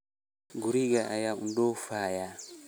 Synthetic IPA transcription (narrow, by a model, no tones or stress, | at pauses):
ɡuɾiɡaʔajaundɔfaja